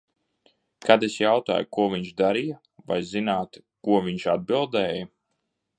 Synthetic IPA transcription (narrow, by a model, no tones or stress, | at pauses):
kad̪esjawt̪a̰ːjukuɔvʲiɲʃd̪aɾija | va̰jzinaːt̪ | kuɔvʲiɲʃad̪̚bilˠd̪ɛːjɐ